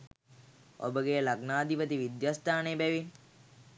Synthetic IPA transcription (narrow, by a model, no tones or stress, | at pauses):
o̰bəɡejlaɡnaːd̪ipət̪iʋid̪jaːst̪ʰaːnebɛʋin